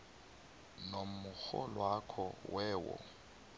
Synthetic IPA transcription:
nommʊxɔlwakʰɔwɛːwɔ̰

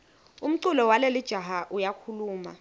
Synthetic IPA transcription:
um̩ǀulɔwalelid̥ʒ̥ʱaɦaʔujakʰuluːma̰

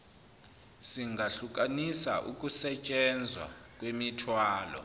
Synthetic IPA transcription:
siŋɡʱaɬuk̬ʼanisa̰ʔṵk̬ʼusɛt͡ʃʼɛnd͡zʱwa̰k̬ʼwemitʰwaːlɔ̰

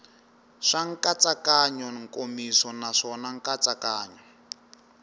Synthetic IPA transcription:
ʂaŋkat͡sakaɲɔŋkʼomisɔnaʂɔnaŋ̩kat͡sakaːɲɔ

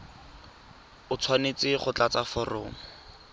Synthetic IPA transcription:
ʊt͡sʰwanet͡sɪχʊt͡ɬat͡safʊro̰ːŋʊ

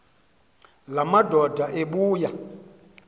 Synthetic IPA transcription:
lamadʱɔdʱaʔeɓuːja

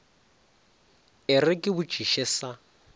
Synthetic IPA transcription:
ɪrɪkʼɪβʊ̥ʒ̥ʱiʃɛsa

